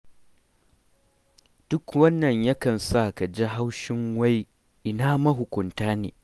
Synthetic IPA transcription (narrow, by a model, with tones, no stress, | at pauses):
d̥ʊ˦kwɐ˦nːɐ˨ɲjɐ˦kɐ˨nsaː˦˨ka˨d͡ʒi˦ɦa˦wʃɪ˦ŋwa˦j | ʔɪ˨naː˦mɐ˦ɦʊ˨kʷʊ˨ntaː˦nḛː˨